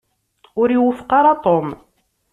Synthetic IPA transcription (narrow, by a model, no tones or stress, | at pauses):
ʊɾiwəfə̥qɑɾˤɑt̪ˤom